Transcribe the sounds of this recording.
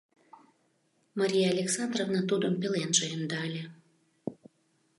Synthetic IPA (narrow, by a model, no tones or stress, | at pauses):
mɑɾʲijaːlʲeksɑnd̪rovnɑt̪ud̪əmpelenʒejəmd̪ɑəlʲe